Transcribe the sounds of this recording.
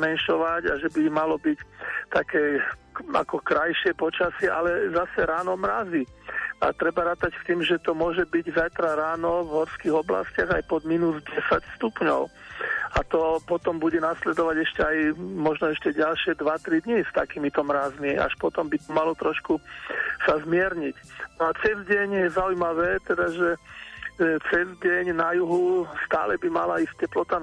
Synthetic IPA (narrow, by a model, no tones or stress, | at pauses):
mɛnʃɔʋaɟaʒɛbimalɔbict̪akɛːa̰kɔkɾajʃɪɛpɔt͡ʃasɪɛʔa̰lɛzasɛɾaːnɔmɾazia̰t̪ɾɛbaɾaːt̪acft̪iːmʒɛt̪ɔmʊɔʒɛbiɟzajt̪ɾaɾaːnɔvɦɔɾskiːɣɔbla̰scɪaɣajpɔd̪minuzɟɛsacst̪upɲɔ̰ʊat̪ɔpɔt̪ɔmbuɟɛnaslɛd̪ɔʋaɟɛʃcɛajmɔʒnɔɛʃcɛɟalʃɪɛd̪ʋat̪ɾid̪ɲist̪akiːmit̪ɔmɾazmia̰ʃpɔt̪ɔmbit̪ɔmalɔt̪ɾɔʃkusazmɪɛɾɲicnɔat͡sɛzɟɛɲjɛzaujmaʋɛːt̪ɛd̪aʒɛ | t͡sɛzɟɛɲnajuɦust̪a̰ːlɛbima̰laiːsc̚cɛplɔt̪a